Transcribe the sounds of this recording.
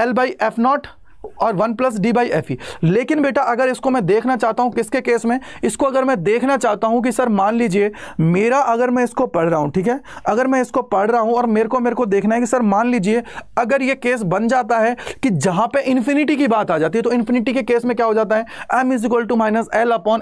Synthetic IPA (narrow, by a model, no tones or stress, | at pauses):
ɛlbaːiʔɛːfʰnɔːʈ | ɔːɾʋɐnplɐs̬ɖiːbaːiʔɛːfileːkɪnbeːʈaʔɐɡəɾɪskomɛ̃d̪eːkʰnat͡ʃaːɦt̪aɦũkɪskekeːsmẽɪskoɐɡəɾmɛ̃d̪eːkʰnat͡ʃaːɦt̪aɦũk̬isɐɾmaːnliːd͡ʒiemeːɾaʔɐɡəɾmɛ̃ɪskopɐɽ̤ɾaːɦũʈʰiːkɦɛːɐɡəɾmɛ̃ɪskopɐɽ̤ɾaɦũɔːɾmeːɾekomeːɾekod̪eːkʰnaɦɛkisɐɾmaːnliːd͡ʒieɐɡəɾjekeːs̬bɐnd͡ʒaːt̪aɦɛkid͡ʒɐɦãpeʔɪ̃nfɪnɪʈikibaːt̪aːd͡ʒaːt̪iɦɛt̪oɪ̃nfɪnɪʈikekeːsmẽkjaːɦod͡ʒaːt̪̬aɦɛɛːmjuːzɪk̬əlʈumaːɪnəsɛːlɐpɔːn